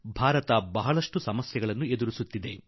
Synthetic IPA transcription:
bʱaːɾɐt̪ɐbɐɦɐɭɐʂʈusɐmɐsjɐɡɐɭɐnːued̪uɾisut̪ːid̪e̞

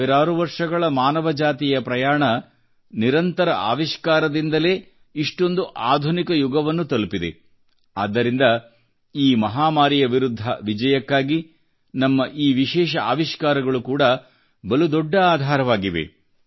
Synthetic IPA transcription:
ɛɾaːɾuʋɐɾʂɐɡɐɭɐmaːnɐʋɐd͡ʒaːt̪ijɐpɾɐjaːɳɐ | niɾɐnt̪ɐɾɐʔa̰ːʋiʃkaːɾɐd̪ind̪ɐle̞ː | iʂʈo̞nd̪uʔaːd̪ʱunikɐjuɡɐʋɐnːut̪ɐlupid̪e̞̰ | a̰ːd̪ːɐɾind̪ɐ | iːmɐɦaːmaːɾijɐʋiɾud̪ʱːɐ̰ʋid͡ʒɐjɐkːaːɡi | nɐmːɐʔiːʋiʃɛːʃ̬ɐaːʋiʃkaːɾɐɡɐɭukuːɽɐ | bɐlud̪ɔɖːɐaːd̪ʱaːɾɐʋaːɡiʋḛ

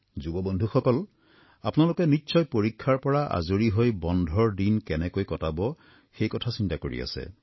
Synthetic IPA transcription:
zubɔbɔndʱuxɔkɔl | apʊnalʊkɛnitːsɔjpoɹikʰːaɹpɔɹaʔa̰zoɹiɦojbɔndʱɔɹdinkɛnɛkojkɔtabɔ | xejkɔtʰasintakoɹḭa̰sɛ̰

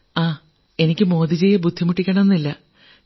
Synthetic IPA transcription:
aː | e̞nikʲːɨmo̞ːd̪it͡ɕejɐbud̪ʱːimuʈːikʲːɐɳɐmenːilːɐ

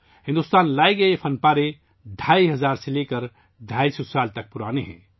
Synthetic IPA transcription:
ɦɪ̃nd̪ust̪aːnlaːiɡəepʰənpaːɾe | d̪ʱaːiɦəzaːɾselekəɾ | d̪ʱaːisusaːlt̪ɐk̚pʊɾaːneɦɛ̰̃ː

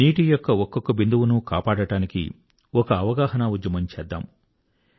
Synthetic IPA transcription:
niːʈijɔkːɐɔkːɔkːɐbind̪uʋunukaːpaːɽɐɽaːnikḭ | ɔkɐːʋɐɡaːɦɐnaʋud͡ʒːɐmɐɲt͡ʃɛːd̪ːa̰ːm

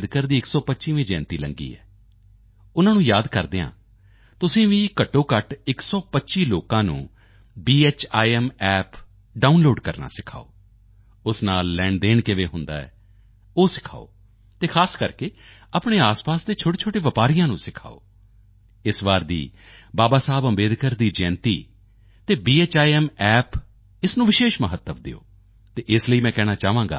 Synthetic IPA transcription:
d̪kəɾd̪iːɪksɔːpətːʃiːʋẽːd͡ʒɛ̰̃ːnt̪iːləŋɡḭːɛ̰ː | ʊnãːnũːjaːd̪kəɾd̪eːã̰ː | t̪ʊsẽːʋĩːkəʈːoːkəʈɪksɔːpətːʃiːloːkãːnṵ̃ː | biːeːt͡ʃaːiɛmɛːp | ɖaːunloːɖkəɾna̰ːsɪkʰa̰ːoː | ʊsnaːlːɛ̃ːɳɖd̪eːɳkɪʋeːɦʊnd̪a̰ːɛ̰ː | oːsɪ̥kʰa̰ːo̰ː | t̪eːkʰaːskəɾkeː | apɳeːaːspaːsd̪eːt͡ʃʰoːʈeːt͡ʃʰoːʈeːʋəpaːɾijãːnũːsɪkʰa̰ːo̰ː | ɪsʋaːɾd̪ḭː | baːbaːsaːbəmbeːd̪kəɾd̪iːd͡ʒɛːnt̪iː | t̪eːbiːeːt͡ʃaːiɛːmɛːp | ɪsnũːʋɪʃeːʃməɦət̪ːəʋd̪ɪ̰o̰ː | t̪eːʔɪsləiːmɛ̃ːkɛːɽ̃aːt͡ʃaːʋãːŋɡa̰ː

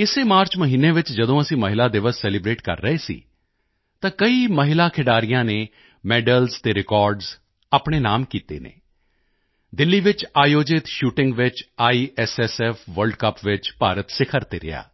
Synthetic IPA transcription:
ɪseːmaːɾt͡ʃməɦiːnːeːʋɪt͡ʃd͡ʒəd̪õːəsĩːməɦɪlaːd̪ɪʋəssɛːlɪbɾeːʈkə̰ɾːəeːsḭː | t̪ãːkəiːməɦɪlaːkʰɪɖaːɾɪjãːneː | mɛːɖəlzt̪eːɾɪkɔːɾɖz | aːpɳeːnaːmkiːt̪ḛːnḛː | d̪ɪlːiːʋɪt͡ʃaːjoːd͡ʒɪt̪ʃuːʈɪ̃ŋɡʋɪt͡ʃaːiːʔɛsɛsɛːfʰʋəlɖkəpʋɪt͡ʃpaːɾət̪sɪkʰəɾt̪eːɾɪ̰ja̰ː

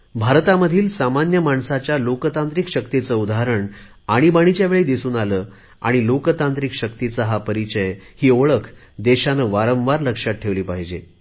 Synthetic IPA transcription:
bʱaɾt̪aməd̪ʱiːlsamanjəmaɳsat͡ɕjalokət̪ant̪ɾikɕəkt̪it͡səud̪aɦɾəɳ | aɽ̃ibaɽ̃it͡ɕjaʋeɭiːd̪isuːnaləː | a̰ɽ̃ilokt̪ant̪ɾikɕək̚t̪it͡səɦapəɾit͡ɕəjhiːoɭəkʰ | d̪eɕanəʋaɾə̃ʋ̃ʋaɾləkʂat̪̚ʈʰeʋliːpaɦid͡ʑḛ

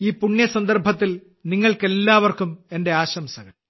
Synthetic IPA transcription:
iːpuɳːjɐsɐnd̪ɐrbʱɐt̪ːil | niŋːɐɭke̞lːaːʋɐrkume̞nde̞aːɕɐmsɐɣɐɭ

